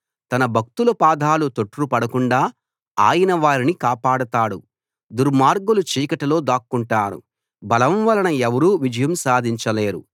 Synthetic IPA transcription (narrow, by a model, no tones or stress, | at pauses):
t̪ɐnɐbʱɐk̚t̪ulɐpaːd̪ʱaːlut̪oʈːɾupɐɽɐkuɳɖaː | a̰ːjɐnɐʋaːɾinikaːpaːɽɐt̪aːɽu | d̪uɾmaːɾɡulut͡ʃiːkɐʈɐlo̞ːd̪aːkːuɳʈaːnṵ | bɐlɐmʋɐlɐnɐɛʋɐɾuːʋid͡ʒɐjɐmsaːd̪ʱiɲt͡ʃɐle̞ːɾṵ